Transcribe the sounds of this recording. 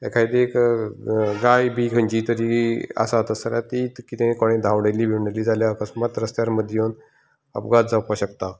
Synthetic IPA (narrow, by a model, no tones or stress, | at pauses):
ɛkʰaid̪eek | ɡajbʱikʰəɲt͡ɕit̪əɾia̰sat̪əsəlat̪it̪kit̪ẽkɔɽ̃ẽd̪ʱawɽeliːbʱiʋɳeliːd͡zaljaəkəsmat̪ɾəst̪jaɾməd̪ʱjon | ə̰pɡat͡s̚d͡zawpaɕəkt̪a